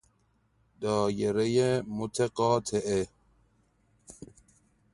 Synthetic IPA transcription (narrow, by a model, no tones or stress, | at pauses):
d̪ɔːjeɾejemʊt̪ʰeqɔːt̪ʰeʔe